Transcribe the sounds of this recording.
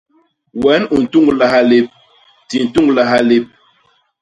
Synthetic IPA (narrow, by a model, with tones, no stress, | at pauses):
wɛ˨˦nu˨n̩˨tu˦ŋɡla˨ha˦le˦p̚ | ti˨n̩˨tu˦ŋɡla˨ɦa˦li˦p̚